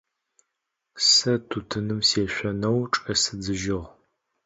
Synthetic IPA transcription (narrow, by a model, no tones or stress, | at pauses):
sɐtʰutʰɨnɨmseːɕʷɔnɐwʈ͡ʂʼɐsɨd͡zɨʒɪʁ